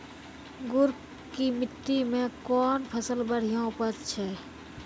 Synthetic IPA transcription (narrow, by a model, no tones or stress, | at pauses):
ɡʊɾ | kimɪt̪ːimẽkɔːnpʰəsəlbəɽ̤ijõpəɾt͡ʃʰɛː